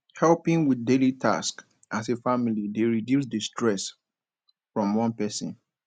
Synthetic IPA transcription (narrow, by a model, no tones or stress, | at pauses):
hɛlpĩŋwiθdelitʰa̰sk | ʔasefamilideɹidjusdistʰɹɛs | fɹɔ̃mwɔ̃npɛsɔ̰̃n